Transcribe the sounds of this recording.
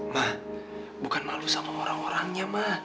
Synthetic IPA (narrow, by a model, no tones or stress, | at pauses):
mah | bukanmalusamaoɾaŋoɾaŋɲamah